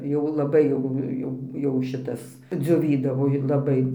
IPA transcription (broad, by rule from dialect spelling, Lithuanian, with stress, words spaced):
ˈjɛʊ lˠɐˈbɐɪ jɛʊ ˈjɛʊ jɛʊ ˈʃʲɪtɐs d͡zʲoːˈʋʲiːdɐʋoː ɪ lˠɐˈbɐɪ